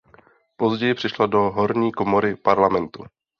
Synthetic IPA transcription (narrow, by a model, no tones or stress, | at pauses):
po̞zɟɛjɪpr̥ɪʃladoɦoɾɲiːkomoɾɪpaɾlamɛnt̪u